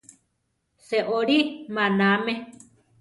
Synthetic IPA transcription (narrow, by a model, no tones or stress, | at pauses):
seʔoɾimãnãmẽ